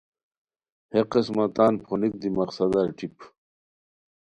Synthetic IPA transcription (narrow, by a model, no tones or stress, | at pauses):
heqesmɐt̪aːnpʰonik̚d̪imɐqsɐd̪aɾʈip